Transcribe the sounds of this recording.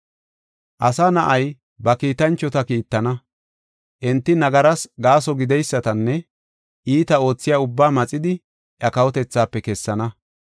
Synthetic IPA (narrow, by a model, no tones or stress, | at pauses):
ʔɐsaːnɐʔɐj | bɐkiːt̪ɐnt͡ʃːɔt̪ɐkiːt̪ːɐnɐ | ʔɛnt̪ːɪnɐɡɐɾɐsɡaːsɔɡɪd̪ɛjsːɐt̪ɐnːɛ | ʔiːt̪ɐo̞ːt͡sːɪjaːʊbːaːmɐt͡sʼːɪd̪ɪ | ʔjɐkɐwɔt̪ɛt͡sːaːpːɛkɛsːɐnɐ